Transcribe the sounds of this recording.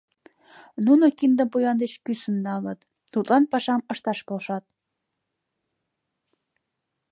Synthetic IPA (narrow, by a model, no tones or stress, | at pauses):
nunokind̪əmpujɑnd̪et͡ɕkysə̆nnɑlət̪ː | ut̪lɑnpɑʃɑmə̆ʃt̪ɑʃpolʃɑt̪̚